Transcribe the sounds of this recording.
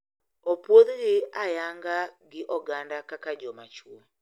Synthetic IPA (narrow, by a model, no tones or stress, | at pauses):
ɔpwoðiɣiajaŋɡaɡiʔɔɡandakakad͡ʒɔmat͡ʃuɔ